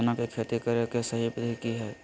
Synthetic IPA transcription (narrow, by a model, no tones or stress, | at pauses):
nakekʰeːt̪ikəɾjəkesəɦibd̪ʱikiɦɛː